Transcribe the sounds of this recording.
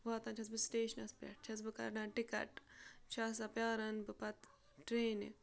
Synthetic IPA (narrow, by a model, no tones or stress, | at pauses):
ʋaːt̪ɐ̃nt͡ʃʰɐs̬bɨsʈeːʃɐnɐspɾɐ̰ʈ̚t͡ʃʰɐs̬bɨkɐ̰ɾɖãːnʈikɐ̰ʈt͡ʃʰaːs̬ɐpjaːɾɐnbɨpɐt̪ | ʈɾeːnḭ